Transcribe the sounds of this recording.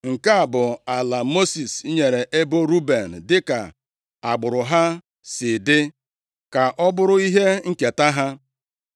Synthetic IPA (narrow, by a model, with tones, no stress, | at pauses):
ŋ̩˨ka˦a˨bʊ˨a˨la˨mo˦si˨sɲe˨ɾe˨ʔe˦bo˦ɾu˦be˨n̩˨dɪ˦ka˨ | a˨ɡ͡bʊ˨ɾʊ˨ɦa˦ | sɪ˨dɪ˦ | ka˨ʔɔ˦bʊ˦ɾʊ˦i˦ɦe˦ŋ̩˦ke˨ta˦ɦa˦